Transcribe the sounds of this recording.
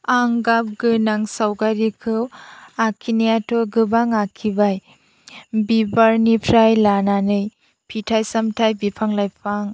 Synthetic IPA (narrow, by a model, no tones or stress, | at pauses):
aŋɡap̚ɡɯnaŋsawɡaɾikʰɯwakʰinejatʰɔɡɯbaŋakʰibaj | bibaɾnipʰɾajlananɯj | pʰitʰajsamtʰajbipʰaŋlajpʰaŋ